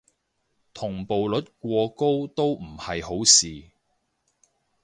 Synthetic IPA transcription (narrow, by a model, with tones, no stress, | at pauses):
t̪ʰʊ˨˩ŋpo˨wlɵ˨˥t̚k̚ʷɔː˧ko˥wt̪o˥wm̩˨˩hɐ˨jho˨˥wsiː˨˩